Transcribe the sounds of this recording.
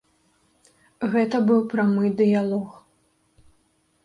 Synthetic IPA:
ɣɛt̪ɐbɨwpɾamɨd̪ɨjalˠɔx

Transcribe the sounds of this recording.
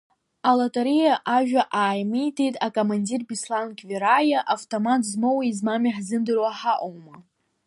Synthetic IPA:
alatʼaɾijaʔaʒᶣaʔaːjmijtʰejtʼakʼomandirbislankʲʰʼviɾajaʔaftʰʼomatʰzmowaizmamiħzɨndɨrwaħaʔowma

